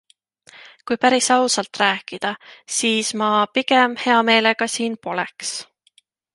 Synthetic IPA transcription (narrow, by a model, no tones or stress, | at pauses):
kujpæɾisɑwsɑlt̪ˑræːkːˑid̪̥ɑsiːsmɑpiɡe̞mhe̞ɑme̞ːle̞ɡ̥ɑsiːnpo̞lḛks